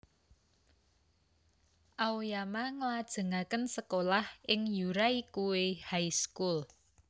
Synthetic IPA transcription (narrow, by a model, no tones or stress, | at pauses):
ʔaojamaŋəlad̥ʒ̥ə̤ŋakənsəkolahʔɪŋjuɾaikuwehajskul